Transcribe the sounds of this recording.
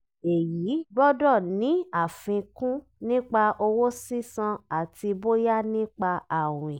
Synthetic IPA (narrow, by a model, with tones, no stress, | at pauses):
e˨ji˨˦bɔ˦dɔ˦˨nĩ˨˦a˦˨fĩ˧kũ˦ | nĩ˦k͡pa˧ʔo˧wo˦si˦sã˧a˦˨ti˧bo˦ja˦nĩ˦k͡pa˧a˨w̃ĩ˨